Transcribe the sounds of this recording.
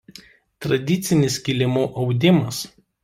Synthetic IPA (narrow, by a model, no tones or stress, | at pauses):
t̪ɾɐd̪ʲɪt̪sʲɪnʲɪskʲilʲɪmuːʔɒʊd̪ʲɪmɐs